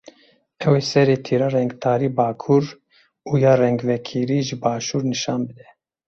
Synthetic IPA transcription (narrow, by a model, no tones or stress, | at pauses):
ɛweːsɛɾeːt̪ʰiːɾɑːrɛŋɡt̪ʰɑːɾiːbɑːkʰuɾ | uːjɑːrɛŋɡvɛkʰiːɾiːʒɨbɑːʃuːɾnɨʃɑːnbɨd̪ɛ